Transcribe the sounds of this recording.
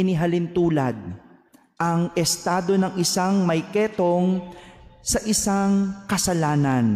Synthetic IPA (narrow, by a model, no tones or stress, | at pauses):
ɪniɦɐlɪnt̪uːlɐd̪̚ | ʔɐŋɛst̪aːd̪o̞nɐŋɪsaŋmɐjkɛːt̪o̞ŋ | sɐʔɪsaŋkɐsɐlaːnɐn